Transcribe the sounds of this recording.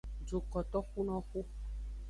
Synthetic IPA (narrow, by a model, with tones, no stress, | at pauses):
d͡ʒo˨kɔ˨t̪ɔ˦xu˦nɔ̃˦xu˦